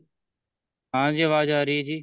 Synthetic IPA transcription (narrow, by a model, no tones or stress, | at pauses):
ɦãːd͡ʒeːʋaːd͡ʒaːɾiːd͡ʒiː